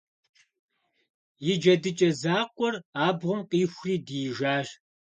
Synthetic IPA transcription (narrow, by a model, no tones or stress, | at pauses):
jɪd͡ʒɐdɨt͡ʃʼɐzaːqʷʼɔraːbʁʷʊmqʼiːxʷriːdiːʒaːʒ